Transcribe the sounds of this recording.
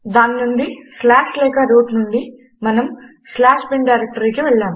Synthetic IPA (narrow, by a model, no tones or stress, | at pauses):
d̪aːnːuɳɖislaːʂlɛːkɐɾuːʈnuɳɖi | mɐnɐm | slaːʂbiɳɖɖɐjɾek̚ʈɐɾikiʋɛɭːaːm